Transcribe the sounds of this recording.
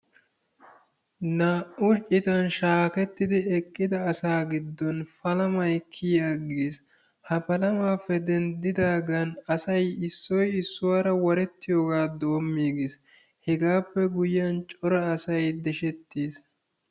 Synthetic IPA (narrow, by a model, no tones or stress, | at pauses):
naːʔʊɾt͡ʃʼːɪt̪ɐnʃaːkɛt̪ːɪd̪ɪɛkʼːɪd̪ɐːsaːɡɪd̪ːɔnfɐlɐmɐjkʰːɪjaːɡeːs | hɐfɐlɐmaːfːɛd̪ɛnd̪ɪd̪aːɡɐnɐsɐjɪsːɔjɪsːʊwaːɾɐwɐɾɛt̪ːɪjo̞ːɡaːd̪o̞ːmːiːɡes | hɛɡaːpːɛɡʊjːɐnt͡ʃʼɔɾɐːsɐjd̪ɛʃɛt̪ːeːs